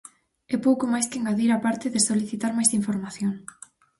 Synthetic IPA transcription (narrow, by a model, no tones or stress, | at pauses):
ɛpowkomajskeŋɡaðiɾapaɾt̪ɪðɪsoliθit̪aɾmajsiɱfoɾmaθjoŋ